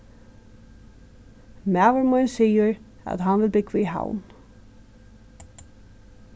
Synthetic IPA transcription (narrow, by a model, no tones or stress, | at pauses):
mæːvəɹmɔʏnsiːjʏɾ | æ̰ðɦanvɪlbɪkvɪiɦa̰wn